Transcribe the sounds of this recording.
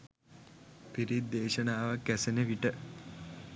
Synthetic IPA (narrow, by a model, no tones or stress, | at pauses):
piɾid̪eːʃənaːʋakːæsenəʋiʈə